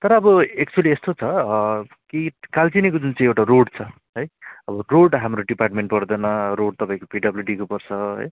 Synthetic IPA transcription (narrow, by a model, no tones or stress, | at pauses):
t̪ʌɾʌːbʌek̚t͡suʌliest̪ot͡sʰʌ | kikalt͡sinikod͡zunt͡saĩewʈaroɽt͡sʰʌ | ɦʌjʌbʌroɽɦamɾoɖiparʈ̚meɳʈpʌrd̪ʌnʌɾoɽ̚t̪ʌpaĩkopiɖʌbljuɖikupʌrt͡sʰʌɦʌ̰j